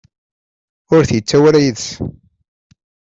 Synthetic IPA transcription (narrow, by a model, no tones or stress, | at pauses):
ʊɾθjət͡sːæwæɾæjəðs